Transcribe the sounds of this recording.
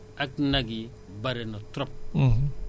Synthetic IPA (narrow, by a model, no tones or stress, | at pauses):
aknaɡi | baɾenotɾɔp̚